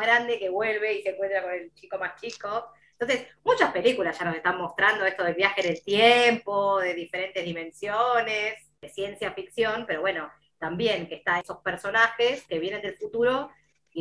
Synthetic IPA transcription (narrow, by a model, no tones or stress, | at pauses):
ɣɾand̪e̞keβwe̞lβ̞e̞iseŋkwe̞nt̪ɾako̞ne̞lt͡ʃiko̞mast͡ʃiko | nt̪onsesmut͡ʃaspe̞likulasʒ̥anos̬e̞st̪ammo̞st̪ɾand̪oest̪oð̞e̞lβjaxeðelt̪jempoðe̞ðife̞ɾe̞nt̪ezðimẽ̞nsjones | ðe̞sje̞nsjafiksjo̞npe̞ɾo̞βweno̞ | t̪ambje̞ŋkest̪aesospeɾso̞naxeskeβje̞ne̞nd̪elfut̪uɾo̞ | i